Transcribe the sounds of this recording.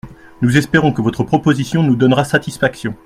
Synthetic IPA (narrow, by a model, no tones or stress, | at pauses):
nuzɛspeʁɔ̃kəvɔt̪χəpχɔpozisjɔ̃nud̪ɔnʁasat̪isfaksjɔ̃